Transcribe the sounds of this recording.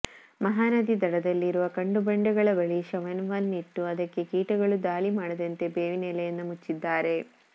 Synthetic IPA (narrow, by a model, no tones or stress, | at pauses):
mɐɦaːnɐd̪id̪ɐɽɐd̪ɐlːiɾuʋɐkɐɳɖubɐɳɖɐɡɐɭɐbɐɭiʃɐʋɐnʋɐnːiʈːuɐd̪ɐkːekiːʈɐɡɐɭud̪aːlimaːɽɐd̪ɐnt̪e̞beːʋineːlɐjɐnːɐmut͡ʃːid̪ːaːɾe̞